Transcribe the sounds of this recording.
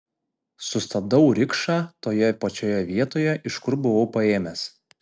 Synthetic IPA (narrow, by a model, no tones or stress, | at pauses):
sʊst̪ɐb̚d̪ɐʊɾʲɪkʃɑːt̪oːjɛpɐt͡ʃʲoːjɛʋʲiɛt̪oːjɛʔɪʃkʊɾbʊʋɐʊpɐeːmʲes